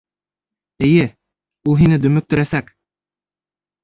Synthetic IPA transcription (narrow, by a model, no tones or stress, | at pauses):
ɘ̆jɘ | ulˠɦinɘd̪ɵ̆mɵk̚t̪ɵ̆ɾæsæk